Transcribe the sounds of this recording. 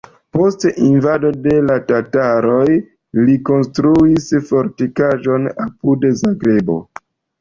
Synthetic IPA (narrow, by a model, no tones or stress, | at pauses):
po̞stʔinvadode̞latataɾo̞j | liko̞nstɾuisfo̞ɾtikaʒo̞na̰pudezaɡɾe̞bo̞̰